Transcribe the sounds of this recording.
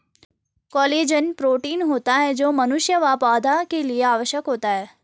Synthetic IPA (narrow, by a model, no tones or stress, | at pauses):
kɔːleːd͡ʒənpɾoːʈiːnɦoːt̪aɦɛd͡ʒoːmɐnʊʃjəʋaːpaːd̪ʱakelieaːʋəʃjəkɦoːt̪aɦɛː